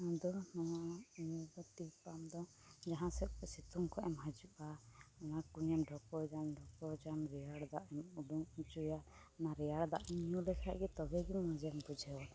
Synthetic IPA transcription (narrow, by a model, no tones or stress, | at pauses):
ãd̪ɔnaaɲuɡɔt̪ipamd̪ɔ | d͡ʒaɦãsɛsit̪uŋkʰɔʔɛmɦad͡ʒuʔaɔnakuɲɛmɖʱɔkɔd͡ʒamɖʱɔkɔd͡ʒamɾɛjaɽd̪aʔɛmuɖuŋud͡ʒuja | naɾɛjaɽd̪a̰ʔɛmijulɛkʰaʔɡɛt̪ɔɡɛɡimɔd͡ʒɛmbud͡ʒʱɛwa